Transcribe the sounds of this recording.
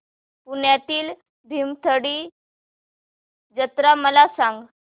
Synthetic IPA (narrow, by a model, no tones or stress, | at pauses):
puɳjat̪iːl | bʱimt̪ʰəɽiː | d͡ʑət̪ɾaməlasãŋɡ